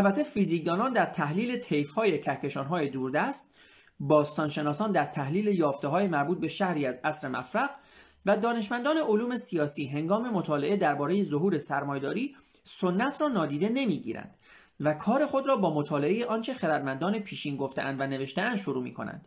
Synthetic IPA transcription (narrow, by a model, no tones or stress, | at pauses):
ʔælbæt̪ʰːe̞fiziːk̚d̪ɒːnɒːnd̪æɾt̪ʰæhliːle̞t̪ʰe̞jfhɒːje̞cʰæhce̞ʃɒːnɦɒːje̞d̪uːɾd̪æst̪ | bɒːst̪ɒːnʃe̞nɒːsɒːnd̪æɾt̪ʰæhliːle̞jɒːft̪eɦɒːjemæɾbuːt̪̚be̞ʃæhɾiːæzæsɾe̞mæ̰fɾæɣ | væd̪ɒːne̞ʃmænd̪ɒːne̞ʔoluːme̞siɒːsiːɦe̞ŋɡɒːme̞mot̪ʰɒːle̞ʔe̞d̪æɾbɒːɾe̞je̞zoɦuːɾe̞sæɾmɒːje̞d̪ɒːɾiː | so̞nːæt̪ʰrɒːnɒːd̪iːd̪e̞ne̞miːɟḭːɾæ̰nd̪̥ | vækʰɒːɾe̞xo̞d̪ɾɒːbɒːmo̞t̪ʰɒːle̞ʔejeʔɒːnt͡ʃʰe̞xeɾæd̪mænd̪ɒːne̞pʰiːʃiːnɡo̞ft̪eʔæ̰nd̪væne̞ve̞ʃt̪eænd̪ʃoɾuːmḭːkʰo̞̰næ̰nd̪̥